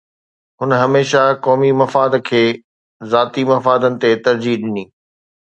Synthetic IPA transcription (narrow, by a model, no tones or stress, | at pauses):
ɦʊnɦɐmeːʃakɔːmimɐfaːd̪kʰeː | zaːt̪imɐfaːd̪ənɪ̆t̪et̪ɐɾd͡ʑiɗɪniː